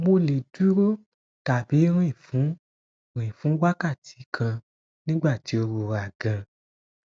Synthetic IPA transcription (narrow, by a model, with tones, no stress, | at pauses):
mo˧le˨du˦ɾo˦ | ta˨bi˨˦ɾĩ˦˨fũ˨˦ | ɾĩ˨fũ˨˦wa˦ka˦˨tʰi̥˨˦kʰã˧ | nĩ˦ɡ͡ba˦˨ti˨˦o˧ɾo˧ɾa˨ɡã˧